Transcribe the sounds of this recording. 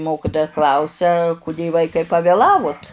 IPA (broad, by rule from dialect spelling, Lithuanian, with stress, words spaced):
ˈmoːkʲɪtoːjɛ ˈklˠɐʊsʲɛ kʊˈdʲeː ˈʋɐɪkɐɪ pɐʋʲeːˈlˠɑːʋʊt